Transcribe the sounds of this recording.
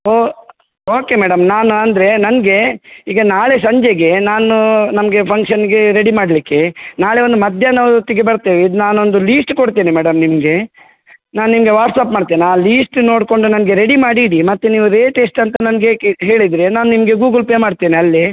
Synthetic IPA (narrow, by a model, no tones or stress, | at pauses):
oː | oːke̞mɛːɽɐmnaːnuɐnd̪ɾe̞nɐnɡe̞iːɡɐnaːɭe̞sɐɲd͡ʒeɡe̞naːnunɐmɐɡe̞pʰɐŋkʂɐnɡeɾeɽimaːɽlikːe̞naːɭeʋond̪umɐd̪ʱjɐnaːʋut̪iɡebɐɾt̪eːʋiid̪naːnond̪uliːsʈkoɽt̪iːnimɛːɽɐmnimɡe̞ | naːnnimɡeʋaːɾʈsapmaːɖt̪iːniaːliːsʈno̞ːɽko̞ɳɖunɐnɐɡe̞ɾeɽimaːɽiɽimɐt̪ːeniːʋuɾeːʈeːsʈɐnt̪ɐnɐnɐɡeɦe̞ːɭid̪ɾenaːnunimɐɡe̞ɡuːɡɐlpemaːɽt̪iːniɐlːi